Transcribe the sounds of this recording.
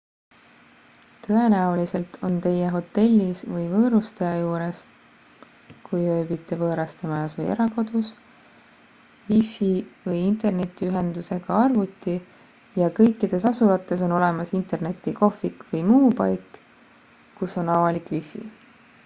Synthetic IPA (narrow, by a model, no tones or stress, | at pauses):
t̪ɤe̞næulise̞lt̪ʰo̞nt̪e̞jeɦo̞t̪ːe̞lʲːisvɤjvɤːɾust̪ejɑjuːɾe̞s | kujø̞ːbit̪ːe̞vɤːɾɑst̪e̞mɑjɑsuje̞̰ɾɑko̞d̪̥us | vifivɤjint̪e̞rne̞t̪ːˑiyɦe̞nd̪use̞ɡ̥ɑɑrvut̪ːˑi | jɑkɤjkːid̪̥e̞sɑsuɾɑt̪ːˑe̞so̞no̞le̞mɑsint̪ˑe̞rne̞t̪ːˑiko̞fˑikvɤjmuːpɑjk | kusːo̞nɑvɑlikvifˑḭ